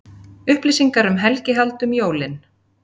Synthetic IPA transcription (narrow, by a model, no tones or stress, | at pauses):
ʏhplɪsiŋkaɾʏmɦɛlcɪɦalt̪ʏmjoːwlɪn